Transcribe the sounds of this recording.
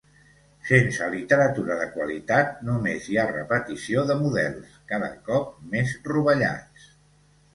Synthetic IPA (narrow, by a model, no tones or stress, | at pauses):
sensəlit̪əɾət̪uɾəðəkwəlḭt̪at̪numeziarə̰pət̪isioðəmuðɛ̰lˠskaðə̰kɔp̚mezruβəʎa̰t͡s